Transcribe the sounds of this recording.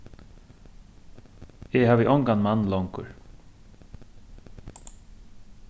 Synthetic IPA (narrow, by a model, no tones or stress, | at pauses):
ɛɦaːvɪʔɔŋkanmanlɔŋkʊ̰ɹ